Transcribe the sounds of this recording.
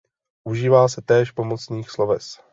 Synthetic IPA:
ʔuʒiːvaːsɛt̪ɛːʃpo̞mot͡sniːxslo̞vɛs

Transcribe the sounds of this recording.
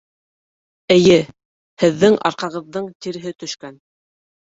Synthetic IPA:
ɘ̆jɘ | hɘ̆ðːɘŋʔɑ̰ɾqɑʁɤ̆ðːɤɴt̪iɾɘ̆ɦɘt̪ɵ̆ʃkæn

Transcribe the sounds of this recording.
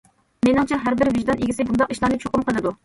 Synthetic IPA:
menɨŋt͡ʃʰɛɦæɾbɪɾvɪʒd̪ɑnʔeɡʲisɪbund̪ɑqiʃlˠɑnɨp̚t͡ʃʰoqʊmqʰəlˠɨd̪u

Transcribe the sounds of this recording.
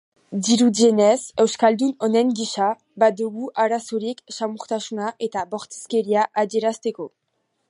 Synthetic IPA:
d̪iɾud̪ienese̞wskald̪unoneŋɡiʃa | bad̪uɣuʔaɾasoɾikʃamuɾt̪asunaʔet̪aboɾt̪e̥skeɾiaʔadeɾast̪eko

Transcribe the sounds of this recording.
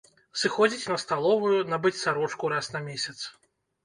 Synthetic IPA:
sɨxɔd͡zʲit͡sʲnɐst̪alˠɔvujunabɨt͡sʲsaɾɔt͡ʂkuɾasnɐmʲesʲɐt̪s

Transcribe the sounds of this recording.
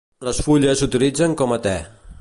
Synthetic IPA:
ləsfuʎəzut̪ilid͡zəŋkɔmət̪ɛ

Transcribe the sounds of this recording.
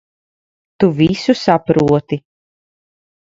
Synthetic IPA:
t̪uvisusapɾuɔt̪i

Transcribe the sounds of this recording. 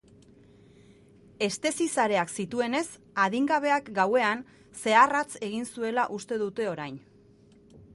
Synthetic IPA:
e̞st̪e̞sisaɾe̞aksit̪ue̞ne̞s | aðiŋɡaβ̞e̞akɡawe̞an | se̞arat͡se̞ɣ̞insue̞laʔust̪e̞ðut̪e̞o̞ɾajn

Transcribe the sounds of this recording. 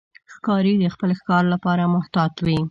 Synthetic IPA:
xkɑɾid̪əxpəlxkɑɾlapɑɾamʊht̪ɑt̪wi

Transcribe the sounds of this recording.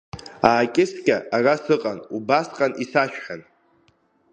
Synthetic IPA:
aːkʲʼɪskʲʼaarasɨqʼanubasqʼanʔisaʃᶣħan

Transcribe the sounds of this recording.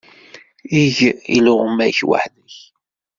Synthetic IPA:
iʝiluʁəmæçwa̰ħnəç

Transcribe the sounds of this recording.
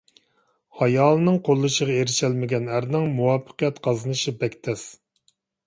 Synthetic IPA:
hɑjɑːlˠɨnɨŋqʰolˠːɨʃəʁɑeɾɪʃɛlmɪɡʲɛnæɾnɪŋmuwɑːpʰːə̥qijɛt̪qʰɑzɨnɨʃibɛkʲt̪ʰɛs

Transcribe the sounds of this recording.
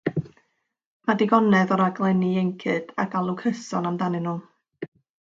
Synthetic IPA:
madɪɡɔnɛðɔɾaɡlˠɛniɛŋkʰɨd̥a̰ɡalˠukʰəsɔnamdanɨnu

